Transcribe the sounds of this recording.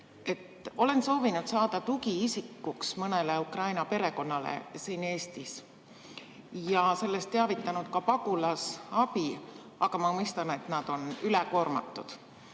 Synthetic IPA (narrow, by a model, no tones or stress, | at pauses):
e̞t̪ːo̞le̞nso̞ːvinud̪̥sɑːd̪̥ɑt̪uɡiisikːuksmɤne̞leukrɑjnɑpe̞ɾe̞ko̞nːɑlḛsiːne̞ːst̪is | jɑse̞lːe̞st̪ːeɑvit̪ːˑɑnud̪̥̚kɑpɑɡ̥ulɑsɑb̥i | ɑɡ̥ɑmɑmujst̪ɑne̞t̪nɑd̪̥o̞nylɛko̞ːrmɑ̰t̪ːˑud̪̥